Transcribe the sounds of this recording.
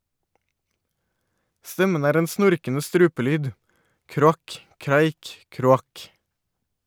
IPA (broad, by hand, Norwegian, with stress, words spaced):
ˈstɛmən ˈæːɾ ˈeːn ˈsnʊɾkənə ˈstɾʉːpəˌlyːd ˌkɾʊˈɑk ˈkɾæɪk ˌkɾʊˈɑk